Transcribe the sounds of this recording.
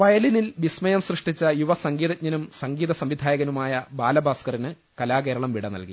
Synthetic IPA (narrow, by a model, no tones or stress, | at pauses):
ʋɐjɐlinilʋismɐjɐmsrɨʂʈit͡ɕːɐjuʋɐsɐŋɡiːðɐɲɐnumsɐŋɡiːðɐsɐmʋid̪ʱaːjɐɣɐnumaːjɐbaːlɐbʱaːskɐrinɨ | kɐlaːk̬eːɾɐɭɐmʋiɽɐnɐ̰lkḭ